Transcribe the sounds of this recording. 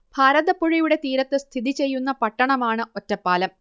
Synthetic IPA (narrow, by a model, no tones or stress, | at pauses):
b̥ʱaːɾɐðɐpːoɻijuɽe̞t̪iːɾɐt̪ːɨst̪ʰiðit͡ɕe̞jːunːɐpɐʈːɐɳɐmaːɳɨotːɐpːaːlɐm